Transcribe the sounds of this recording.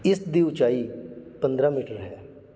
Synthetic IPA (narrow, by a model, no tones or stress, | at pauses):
ɪsd̪iːʊt͡ʃaːipə̃nd̪ɾãːmiːʈəɾɦɛː